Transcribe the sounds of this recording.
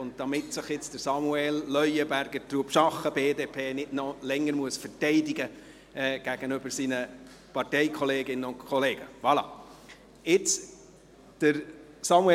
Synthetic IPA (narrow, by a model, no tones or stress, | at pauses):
ʊnt̚d̥ɑmɪtsəχjɪt͡sd̥əɾsɑmuɛlːœʏəbæɾɡət̪ɾuːəpʃɑχəbeːdeːpʰeːnɪtnɔlɛŋːəɾmuəsfəɾtɛɪdiɡə | ɛːɡ̥æɡ̥ənʏb̥əɾsinə | pɑrtɛɪkʰɔleːɡɪnənʊnkʰɔleːɡ̥əvɑlɑ̰ | ɪt͡s | d̥əɾ | sɑmuɛ